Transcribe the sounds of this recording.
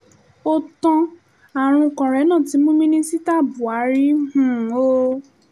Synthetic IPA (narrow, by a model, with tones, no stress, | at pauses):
o˦tɔ̃˧ | a˨ɾ̃ũ˧kɔ̃˨ɾɛ˨˦nãː˦˨ti˨˦mũ˦mĩ˦nĩ˦si˦ta˦˨bu˨a˨˦ɾi˦hũ˨o˦